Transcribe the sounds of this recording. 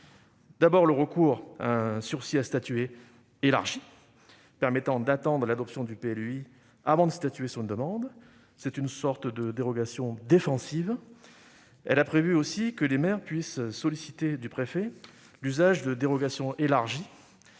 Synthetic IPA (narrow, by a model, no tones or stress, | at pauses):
d̪̥abɔʁləʁəkuʁa̰ɛ̃syʁsiast̪at̪ye | ela̰ʁʒi | pɛʁmɛt̪ɑ̃d̪at̪ɑ̃d̪ʁəlad̪ɔpsjɔ̃d̪ypeɛlyi | avɑ̃d̪əst̪at̪yesɔnd̪əmɑ̃d̪ | sɛt̪ynsɔʁt̪d̪əd̪eʁɔɡasjɔ̃d̪efɑ̃siv | ɛ̰lapχevyosikəlemɛʁpɥisːɔlisit̪ed̪ypχefɛ | lyzaʒd̪əd̪eʁɔɡasjɔ̃ʔelaʁʒi